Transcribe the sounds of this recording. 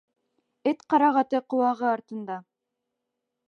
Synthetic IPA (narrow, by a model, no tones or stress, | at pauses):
ɘt̪qɑɾɑʁɑt̪ɤqŏwɑʁɤɑɾt̪ɤ̆nd̪ɑ